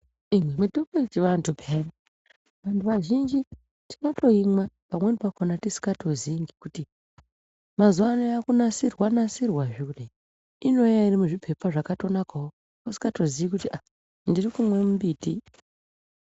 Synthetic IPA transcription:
imwemitoketiʋantʰupʰeme | ʋantʰuʋaʒind͡ʒi | ti̥noto̞imwapamwe̞nipakonatisi̥kɡato̞ziŋɡikuti | mazuwanojakunasirwanasirwaʐiɗe | ino̞jairimuʐipʰe̞paʐakato̞nakawo | kosi̥kato̞ziikutiʔa | ndirikumwe̞mumbiti

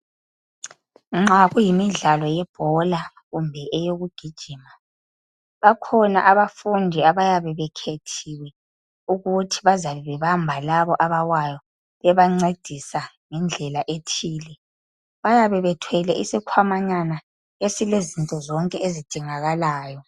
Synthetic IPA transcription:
ŋ͡ǁaɣujimiɮalɔjɛb̥ʱɔla | ɣumbʱɛʔɛjoɣuɡ̥ʱid̥ʒ̥ʱiːma | βakʰɔna̰ʔaβafundʱiaβajaβɛβɛkʰetʰiwɛ | uɣutʰiβazaβɛβɛβambʱalaβɔʔaβawajɔ | βɛβaŋ͡ǀed̥ʱisa | ŋɛnd͡ɮʱɛlaʔetʰiːlɛ | βajaβɛβɛtʰwɛlɛʔisikʰwamaɲana | esilezintʼɔzɔŋkʼɛezid̥ʱiŋaɣalaːjɔ

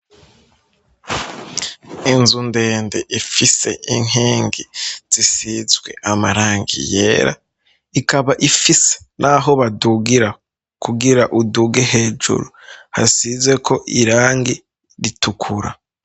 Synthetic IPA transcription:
enzunde̞ːnde̞ʔifise̞ʔiŋɦeːŋɡiz̥isizɡwe̞̰ʔamaɾaːŋɡḭjḛːɾa̰ | ikaβaʔifise̥nʔaɦo̞βaduɡiɾa | kuɡiɾaʔuduɡeɦe̞ːd͡ʒṵɾuha̰sizwe̞kʰo̞ʔiɾaːŋɡi | ɾitukʰuɾa̰

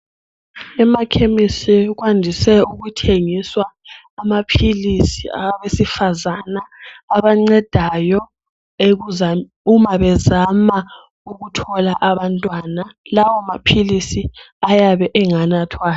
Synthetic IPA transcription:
ɛmakʰemisiɣwandʱisɛuɣutʰeŋiswaː | mapʰilisiaβesifazanaːβaŋ͡ǀɛd̥ʱajɔ | e | umaβɛzama | uɣutʰɔlaʔaβantʼwanalawɔmapʰilisi | ajaβɛʔɛŋanatʰwa

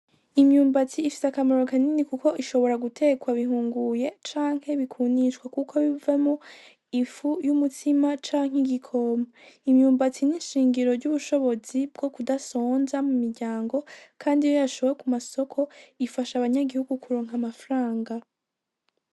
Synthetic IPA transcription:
imɲuːmbat͡siːfi̥sakamaɾo̞kaninikuko̞ʔiʃo̞βo̞ɾaɡutʰe̞ːkwaβihuːŋɡuje̞t͡ʃaːŋ̥he̞βikʰuːniʃwakukʰo̞βivamo | ifujumutʰimat͡ʃaːŋ̥hiɡikʰomaimɲuːmbat͡sininʃiːŋɡiɾo̞ɾɟuβuʃo̞βo̞zibɡo̞kudasoːnzamumiɾɟaːŋɡo̞kʰaːndijojaʃo̞βekumaso̞kʰo̞ifaʃaβaɲaɡihuɡukuɾoːŋɦamafɾaːŋɡa

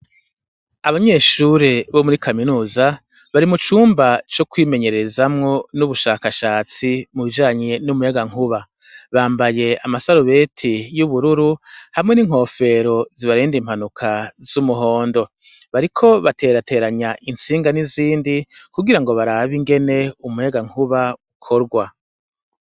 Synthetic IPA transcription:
aβaɲe̞ːʃuɾeβo̞muɾikʰaminuːza | βaɾimut͡ʃuːmbat͡ʃokwiːme̞ɲe̞ɾe̞zamŋo̞nuβuʃaːkaʃaːt͡simuβid͡ʒaːɲe̞numujaɡaŋuβa | βaːmbaje̞amasaɾuβe̞tʰijuβuɾuɾuhamŋe̞niŋ̥ho̞fe̞ɾo̞ziβaɾiːndim̥anukʰaz̥umuɦo̞ːndo̞ | βaɾikʰo̞βate̞ːɾate̞ːɾaɲaʔint͡siːŋɡaniziːndikuɡiɾaŋɡo̞βaɾaβiŋɡe̞ne̞umujaɡaŋhuβaukʰo̞ɾɡwa

